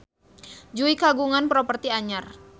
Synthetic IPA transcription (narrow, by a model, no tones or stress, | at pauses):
d͡ʒuikaɡuŋanpɾɔpərt̪iaɲar